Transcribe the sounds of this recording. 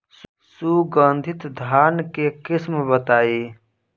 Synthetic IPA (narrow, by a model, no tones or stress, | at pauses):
suɡə̃nd̪ʱɪt̪d̪ʱaːnkekɪsmbət̪aːiː